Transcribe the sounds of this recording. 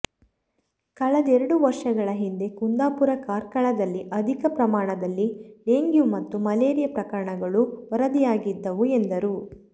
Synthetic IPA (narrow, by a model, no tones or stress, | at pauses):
kɐɭɐd̪ɛɾɐɽuʋɐɾʂɐɡɐɭɐɦind̪e̞kund̪aːpuɾɐkaːɾkɐɭɐd̪ɐlːiʔɐd̪ʱikɐpɾɐmaːɳɐd̪ɐlːiɖeːŋɡjumɐt̪ːumɐleːɾijɐpɾɐkɐɾɐɳɐɡɐɭuʋɐɾɐd̪ijaːɡid̪ːɐʋuend̪ɐɾu